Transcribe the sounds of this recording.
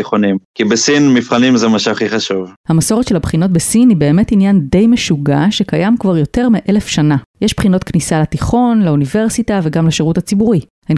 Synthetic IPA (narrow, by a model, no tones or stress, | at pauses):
χonimkibesinmifχanimzemaʃavχiχaʃuvhamaso̞ʁetʃelhabχino̞t̬̚besinibe̞ːme̞tinjande̞jmeʃuɡa̰ʃekajamkvaʁjo̞te̞ʁmiʔelefʃanajeʃb̥χino̞tknisalatiχo̞nlaunive̞ʁsitaveɡamleʃeʁuthat͡sibuʁi | hen